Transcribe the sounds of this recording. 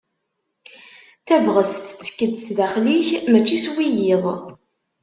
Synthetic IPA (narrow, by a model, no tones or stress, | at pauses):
θævʁəsθt͡sːə̥kːəd̪sðæχliçmæt͡ʃːiswijɪðˤ